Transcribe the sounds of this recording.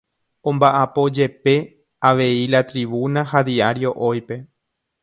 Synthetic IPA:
õmbaʔapo̞d͡ʒe̞pe̞ | aʋe̞ilat̪ɾiβunaɦad̪iaɾjo̞ʔojpe̞

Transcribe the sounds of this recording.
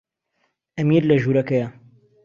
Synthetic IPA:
ɐmiːɾlɐʒuːɾɐkɐjɐ

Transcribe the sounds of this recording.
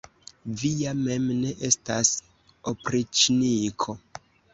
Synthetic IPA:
vijame̞mne̞ʔe̞stas | opɾit͡ʃnikʰo̞

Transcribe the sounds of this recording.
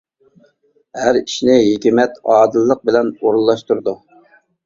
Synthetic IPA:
hæɾiʃnɪɦikʲimɛt̪ɑːd̪ɨlˠːəq̚bɪlɛnoɾulˠːɑʃt̪uɾd̪u

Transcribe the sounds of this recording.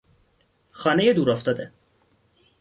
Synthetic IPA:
xɒːnejed̪uːɾɒft̪ɒːd̪e

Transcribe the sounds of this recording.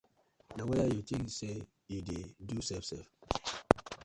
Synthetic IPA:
nawɛjajotĩŋse | jidedusɛfsɛf

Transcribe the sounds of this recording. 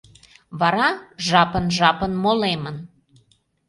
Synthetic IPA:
βɑɾɑʒɑpənʒɑpənmolemən

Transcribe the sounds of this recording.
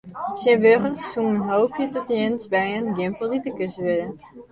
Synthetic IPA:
sɪnʋøχərsuŋənɦoːpʰjətɔtəjɪnsbɛjənɡɪmpəl̩ˠditəkøsəʋɪdə

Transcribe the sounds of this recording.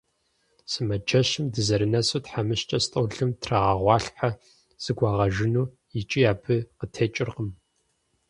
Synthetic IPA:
sɨmɐd͡ʒɐɕɨmdɨzɐɾɨnɐsutħamɨɕt͡ʃʼɐstʼɐwɮɨmtʰraʁɐʁʷɑːɬħa | z̥ɨɡʷɑːʁɐʒɪnuː | ɪt͡ʃʼijaːbʰɨqətʰeːt͡ʃʼɪrqəm

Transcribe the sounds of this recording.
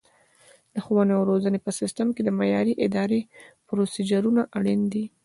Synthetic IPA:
d̪̥əxowaneawɾozənepəsɪst̪amked̪əmajɑɾiʔɪd̪ɑɾepɾosid͡ʒaɾunaʔaɽind̪i

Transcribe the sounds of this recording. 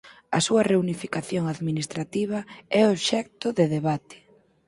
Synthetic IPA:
ɐsuɐreunifikaθjoŋaðminist̪ɾat̪iβ̞ɐɛoʃɛk̚t̪ʊðeðeβ̞at̪ɪ̥

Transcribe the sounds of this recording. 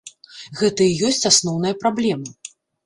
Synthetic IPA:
ɣɛt̪ɐijɔsʲt͡sʲasnɔwnɐjɐpɾablʲɛmɨ

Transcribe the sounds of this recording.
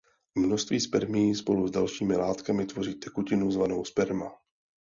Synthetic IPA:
mnost̪viːspɛɾmɪjispo̞luzdalʃiːmɪlaːt̪kamɪt̪vo̞riːt̪ɛkucɪnuzvanowspɛɾma

